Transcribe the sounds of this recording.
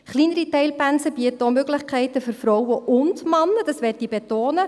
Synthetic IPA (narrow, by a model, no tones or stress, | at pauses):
χliːnəɾitɛɪlpænsəbiətomøɡlɪχkʰɛɪtəfʏɾfrɔwəʔʊndmɑnːəd̥ɑsʋɛt̚dibetoːnə